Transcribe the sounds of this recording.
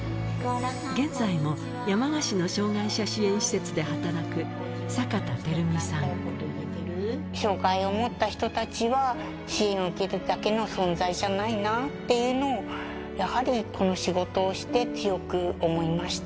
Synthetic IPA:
ɡẽ̞nd͡zaimo̞ | jamaɡaɕino̞ɕo̞ːɡaiɕaɕiẽ̞ɰ̃ɕi̥se̞t͡sɨd̪e̞ɦat̪aɾakɯ̟ | sakat̪at̪e̞ɾɯ̟mʲisãkot̪od̪ekʲiɾɯ | ɕo̞ːɡaio̞mo̞t̪ːaçi̥t̪o̞t̪at͡ɕiβa | ɕiẽɰikeɾɯ̟d̪ake̞no̞sõ̞nzaiʑanainat̪ːe̞jɯ̟ːno̞ː | jahaɾʲikʰo̞no̞ɕiɡo̞t̪o̞ːɕi̥t̪e̞t͡sɨjo̞kɯ̟o̞mo̞imaɕi̥t̪

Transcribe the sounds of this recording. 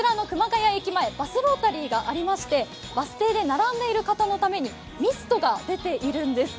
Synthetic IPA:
ɯɾano̞kɯ̟maɡajaekʲimae̞basɨbo̞ːt̪aɾʲiːɡaʔaɾʲimaɕi̥t̪e̞ | basɨ̥t̪e̞ːd̪e̞naɾãnd̪e̞iɾɯ̟kat̪ano̞t̪ame̞ɲ̟i | mʲisɨ̥t̪o̞ɡad̪e̞t̪e̞ʔiɾɯ̟̃nd̪e̞sɨ̥

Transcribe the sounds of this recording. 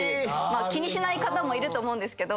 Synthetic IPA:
maːkʲiɲ̟iɕinaikat̪amo̞iɾɯ̟t̪oːmo̞ɯ̃nd̪esɨ̥ke̞d̪o

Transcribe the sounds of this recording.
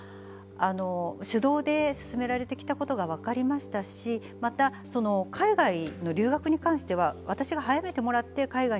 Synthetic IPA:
ano̞ɕɨd̪o̞ːd̪e̞sɨ̥sɨme̞ɾaɾe̞t̪e̞kʲi̥t̪ako̞t̪o̞ɡaβ̞akaɾʲimaɕi̥t̪aɕi | mat̪a | so̞no̞kʰaiɡaino̞ɾʲɨːɡakɯ̟ɲ̟ikãɰ̃ɕi̥t̪e̞βaβat̪aɕiɡaɦajame̞t̪e̞mo̞ɾat̪ːe̞kaiɡa

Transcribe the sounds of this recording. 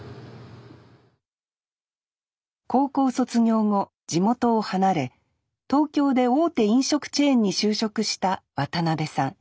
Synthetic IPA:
ko̞ːko̞ːso̞t͡sɨŋʲo̞ːŋo̞ | d͡ʑimo̞t̪o̞ːhanaɾe̞ | t̪o̞ːkʲo̞ːd̪e̞o̞ːt̪e̞ĩɰ̃ɕo̞kɯ̟̥t͡ɕẽ̞ːɲ̟ːiɕɨːɕo̞kɯ̟ɕi̥t̪aβat̪anabe̞sãŋ

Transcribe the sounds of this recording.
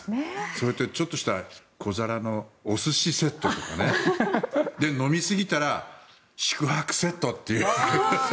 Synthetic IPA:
soɾet̪ːet͡ɕo̞t̪ːo̞ɕi̥t̪akʰo̞zaɾano̞ːsɨɕise̞t̪ːo̞t̪o̞kane | d̪e̞no̞mʲisɨɡʲit̪aɾa | ɕi̥kɯ̟hakɯ̟̥se̞t̪ːo̞t̪ːe̞jɯae

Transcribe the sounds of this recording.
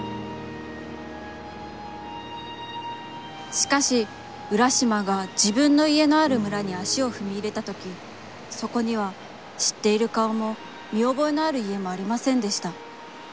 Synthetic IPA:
ɕi̥kaɕi | ɯ̟ɾaɕimaɡad͡ʑibɯ̟̃nːo̞ie̞no̞aɾɯ̟mɯ̟ɾaɲ̟iaɕio̞ɸɯ̟mʲiːɾe̞t̪at̪o̞kʲi | so̞ko̞ɲ̟iβa | ɕi̥t̪ːe̞iɾɯ̟kaomo̞ | mʲio̞bo̞enoaɾɯ̟ie̞mo̞aɾʲimasẽ̞nd̪e̞ɕi̥t̪a

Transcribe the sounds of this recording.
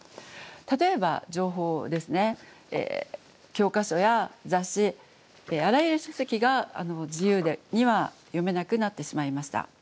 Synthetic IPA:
t̪at̪o̞e̞ba̰d͡ʑo̞ːɦo̞ːd̪e̞sɨne̞ | ḛː | kʲo̞ːkaɕo̞jazaɕi | eaɾajɯ̟ɾɯ̟ɕosekʲiɡaa̰no̞d͡ʑijɯ̟ːd̪eɲ̟iβa | jo̞me̞nakɯ̟nat̪ːe̞ɕimaimaɕi̥t̪a̰

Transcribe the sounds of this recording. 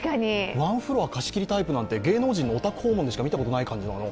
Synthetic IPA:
kaɲiβãɰ̃ɸɯ̟ɾo̞βakaɕi̥kʲiɾʲit̪aipɯ̟nãnt̪e̞ɡe̞ːno̞ːʑĩnːo̞ːt̪akɯ̟ho̞ːmõnd̪ɕi̥kamit̪ako̞t̪o̞naikãɲ̟d͡ʑinano

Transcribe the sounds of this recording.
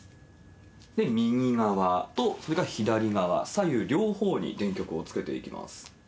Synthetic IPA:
d̪e̞mʲiɲʲiɡaβat̪o̞so̞ɾe̞ɡaçid̪aɾʲiɡaβa̰sajɯ̟ɾʲo̞ːho̞ːɲ̟ḭd̪ẽ̞ŋkʲo̞kɯ̟o̞t͡sɨ̥ke̞t̪e̞̰ḭkʲimʔa̰sɨ̥

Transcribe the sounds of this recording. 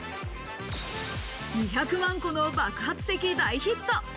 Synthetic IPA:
ɲʲiçʲakɯ̟mãŋko̞nobakɯ̟ɦat͡sɨ̥t̪e̞kʲid̪aiçit̪ːo

